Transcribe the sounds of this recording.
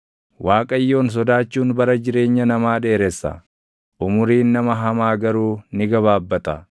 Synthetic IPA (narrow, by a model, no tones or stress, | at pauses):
waːkʼɐjːo̞ːns̬ɔd̪aːt͡ʃːuːnbɐɾɐd͡ʒɪɾe̞ːɲːɐnɐmaːᶑe̞ːɾɛsːɐ̰ | ʔʊmʊɾiːnːɐmɐɦɐmaːɡɐɾuːnɪɡɐβaːbːɐt̪ɐ̰